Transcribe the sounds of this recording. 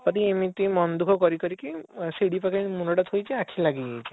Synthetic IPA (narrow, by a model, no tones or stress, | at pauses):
pɔt̪iemit̪ũmɔnd̪ukʰɔkɔɾikɔɾikisiɽipakʰamunɔɽat̪ʰɦojt͡ʃʰiakʰilaɡijet͡ʃʰi̥